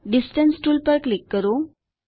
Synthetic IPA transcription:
ɖisʈənsʈuːlpəɾklikːəɾo

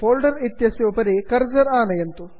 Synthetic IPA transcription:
boːlɖɐɾit̪jɐsjoːpɐɾikɐɾd͡ʒɐɾaːnɐjent̪u

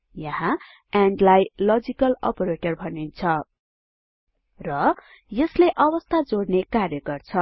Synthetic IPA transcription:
jʌɦã | aɳɖlajlʌd͡zikʌlʌ̰pʌɾeʈʌrbʱʌnint͡sʰʌ | rʌ | jʌsleʔʌbʌst̪ʰad͡zoɽnekarjʌkʌrt͡sʰʌ

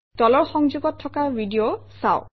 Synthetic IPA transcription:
tɔlɔɹxɔŋzuɡɔtʰːɔkaɹbidiosa̰ʊ

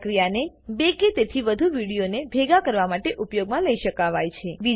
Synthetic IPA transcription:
kɾijane | beket̪et̪ʰiʋəd̪ʱuʋiɽijonebʱeɡakəɾʋamaʈeʔupjoɡmãləiʃəkaʋajt͡ʃʰeʋi

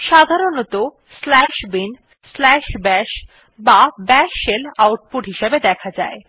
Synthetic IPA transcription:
ʃad̪ʱaɾonot̪o | slɛʃbin | slɛʃbɛʃ | babɛʃelawʈ̚puɾɦiʃebed̪ɛkʰad͡ʑae

